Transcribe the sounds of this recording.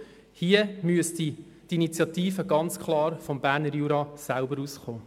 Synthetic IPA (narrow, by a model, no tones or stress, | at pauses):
hiəmyəst̪i | dinit͡sjɑtiːfəɡɑnt͡skχlˠɑːɾfɔmbæːɾnəɾjuːɾɑsælbəɾuːsχoː